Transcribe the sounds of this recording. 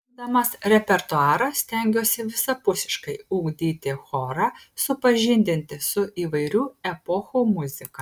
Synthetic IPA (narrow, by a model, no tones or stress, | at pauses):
d̪ɐmɐsɾʲɛpʲɛɾt̪ʊɑːɾɐssʲt̪ʲɛˑŋʲɡʲoːsʲɪʋʲɪsɐpʊsʲɪ̥ʃkɐɪuːɡd̪ʲiːt̪ʲɪxɔːɾɑ | sʊpɐʒʲɪnʲd̪ʲɪnʲt̪ʲɪsʊʔiːʋɐɪɾʲuːɛpɔxomʊzʲɪkɐ